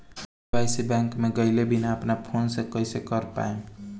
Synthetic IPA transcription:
dibajsibɛ̃ŋkmeɡəɪlebʱinaəpnapʰonsẽkəɪsekəɾpa̰em

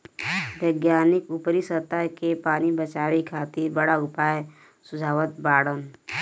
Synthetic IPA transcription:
ʋəɡjaːnɪkʊpɾisəɾt̪akepaːnibət͡ʃaːʋikʰaːt̪ɪɾbəɽaʊpaːe | sʊd͡ʒʱaːʋət̪̚baːɽən

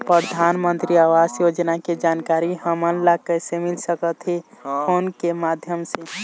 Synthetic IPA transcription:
pɾəd̪ʱaːnmə̃nt̪ɾiaːʋasjod͡ʒnaked͡ʒaːnkaːɾiɦəmənlakəsemilsəkət̪ɦefʰoːnkemaːd̪ʱjəmse

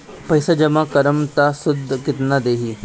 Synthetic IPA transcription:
pɐɪsad͡ʒɐmãkɐɾəmt̪asʊd̪ʱkɪt̪nad̪eːɦiː

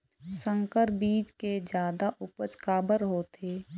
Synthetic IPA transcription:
sə̃ŋkəɾbiːd͡ʒked͡ʒjaːd̪aʔʊpət͡ʃkaːbəɾɦoːt̪ʰeː

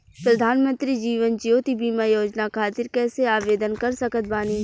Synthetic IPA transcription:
pɾɐd̪ʱaːnmə̃nt̪ɾid͡ʒiːʋənd͡ʒjoːt̪ibʱiːmajoːd͡ʒnakʰaːt̪ɪɾkɛːseaːʋeːd̪ənkɐɾsɐkət̪̚baːniː

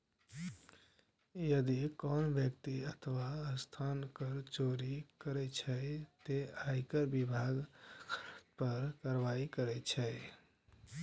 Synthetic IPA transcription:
jəd̪ikɔnbjəkt̪iət̪ʰəʋaəst̪ʰankəɾt͡ʃoɾikəɾɛt͡ʃʰət̪eajkəɾbibʱaɡ̪ | pəɾkaɾʋaikəɾɛt͡ʃʰɛ

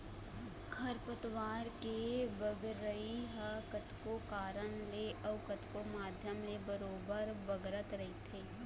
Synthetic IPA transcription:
kʰɐɾpət̪ʋaːɾkebəɡːəiɦəkɐt̪kokaːɾənleʔɐʋkət̪komaːd̪ʱjəmlebɐɾoːbəɾbɐɡɾət̪ɾɐit̪ʰeː

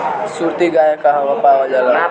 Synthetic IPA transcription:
suɾt̪iɡajakaɦaʋapawad͡ʒala

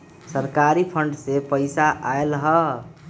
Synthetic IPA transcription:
səɾkaɾipʰəɳɖsepəɪsaʔaelɦə

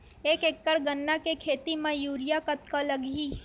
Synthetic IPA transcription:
eːkekːəɽɡənːakekʰeːt̪imãjuːɾɪjakət̪kalɐɡiː

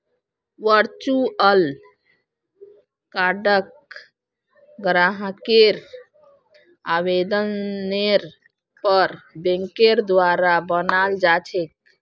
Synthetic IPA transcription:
ʋəɾt͡ʃuəl | kaɖək | ɡɾaɦkeɾ | abed̪ənːeɾ | pəɾbẽŋkeɾd̪waɾabənald͡ʒat͡ʃʰek̚

